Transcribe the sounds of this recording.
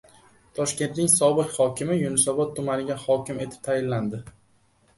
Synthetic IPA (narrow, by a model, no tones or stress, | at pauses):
t̪ʰɒʃkʲe̞nt̪nɪŋsɒbɨqhɒkʲʰɪmɪjʊnɪsɒbɒt̪ʰːʊmanɪɡʲahɒkʲɪme̞t̪ʰɪ̥p̚t̪ʰajɪlːand̪ɪ